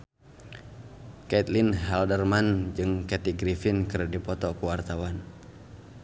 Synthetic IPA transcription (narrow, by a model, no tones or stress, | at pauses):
kait̪linɦɛldərmand͡ʒɨŋkɛt̪iɡɾifɪnkɨrdipɔt̪ɔkəwart̪awan